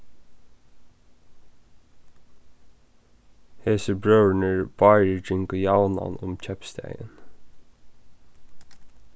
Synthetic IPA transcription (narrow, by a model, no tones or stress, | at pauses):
heːsəbɹœːwɳəɹb̥ɑɪɹəd͡ʒɪŋkəjawna̰nʊ̰mc͡çʰɛpst̪ɛ̰jə̰n